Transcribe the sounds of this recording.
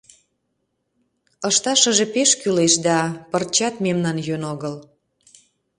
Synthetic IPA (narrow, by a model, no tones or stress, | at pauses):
əʃt̪ɑʃə̆ʒepeʃkyleʃd̪ɑpərt͡ɕɑt̪memnɑnjønoɣəl